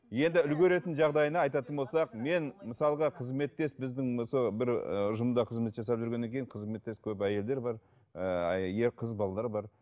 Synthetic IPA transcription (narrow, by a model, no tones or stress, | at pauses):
je̞nd̪ɪʏlɡʲeɾe̞t̪ɪnʒɑʁd̪ɑjənɑːɑjt̪ɑt̪ənbo̞lˠsɑqme̞nməsɑlˠəʁɑqʰəzme̞t̪ːe̞sbɪzd̪ɪŋsobɪɾʊʒəmd̪ɑqʰəzme̞t̪ʒɑsɑpʒʏɾɡʲenːeŋkʲʰe̞jɪɴqʰəzme̞t̪ːe̞skʲʰɵpæje̞ld̪e̞ɾbɑɾ | əje̞ɾqʰəzbɑlˠɑd̪ˠɑɾbɑɾ